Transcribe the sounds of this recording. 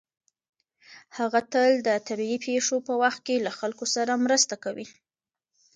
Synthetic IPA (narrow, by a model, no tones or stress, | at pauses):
haɣat̪əld̪ət̪abiipʰeʂopəwaxt̪̚kelaxalkosaɾamɾəst̪akawi